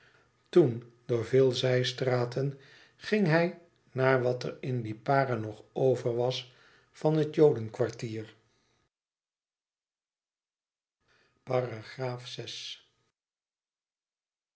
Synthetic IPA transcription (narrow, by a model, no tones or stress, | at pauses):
tundʊːɹvɪːlˠzɛjstraːtən | χɪŋɦɛj | naːɹʋɑtə̰rɪndipaːrənɔχowvəɹʋɑs | fɑnɦətjowdənkʋɑɹtiːɹ | paːraχraːfsɛs